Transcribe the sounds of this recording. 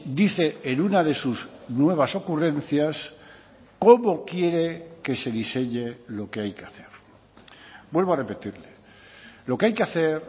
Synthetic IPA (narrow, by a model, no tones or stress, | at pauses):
d̪iθe̞enunað̞e̞suznwe̞β̞aso̞kure̞n̟θjas | ko̞mo̞kje̞ɾe̞ke̞se̞ðise̞ɲe̞lo̞ke̞ajkeaθe̞ɾ | bwe̞lβare̞pe̞t̪iɾle | lo̞keajkeaθe̞ɾ